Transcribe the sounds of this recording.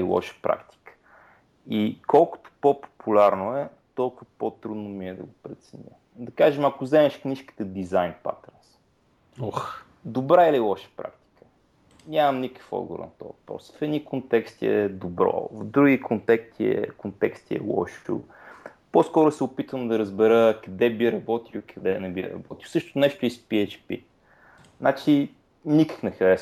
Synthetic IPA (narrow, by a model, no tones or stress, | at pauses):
ilˠɔ̰ʃə̥pɾʔa̰kt̪i̥kə̥ | ikɔlˠkʊ̥t̪o̥popo̥pʰulʲaɾnoɛ | t̪ɔlˠkʊvəpot̪ɾud̪nomiɛd̪ɐ̰ɡopɾɛt̪sɛnʲə̰ | d̪ɐkaʒəmakʊzɛmɛʃkniʃki̥t̪əd̪izajnpa̰t̪ɛɾns | d̪obɾaɛlilˠɔʃə̥pɾa̰kt̪i̥kə̥ | nʲamɐmnikə̥kfɔ̰d̪ɡʊ̰ɾə̰nɐt̪ɔ̰vɐpɾɔ̰sfɛd̪nikont̪ɛkst̪iɛ̰d̪obɾɔ̰vd̪ɾuɡikʰont̪ɛkt̪iɛ̰kont̪ɛkst̪iɛ̰lˠɔ̰ʃṵ | poskɔɾʊsɛʊpit̪əmd̪ɐɾəzbɛɾəkɐd̪ɛbiɾɐbɔt̪iwikʰɐd̪ɛnɛbḭɾɐ̰bɔt̪iwsɤʃt̪ʊnɛʃt̪ʊispiɛt͡ʃpḭ | nat͡ʃi | nikə̥xnɛxɐɾɛs